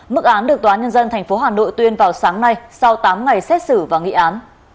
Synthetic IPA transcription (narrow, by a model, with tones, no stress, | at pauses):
mɨ˦˥k̚ʔaː˨˦nɗɨ˨˩ək̚t̪waː˨˦ɲə˧nzə˧nt̪ʰɛ˨˩ŋ̟fo˨˦ɦaː˨˩no̰˧˨jt̪wi˧ənvaː˨˩wsaː˨˦ŋna˧jsa˧wt̪aː˨˦mŋa˨˩jsɛ˦˥t̚sɨ˧˩vaː˨˩wŋḭ˧˨ʔaː˨˦n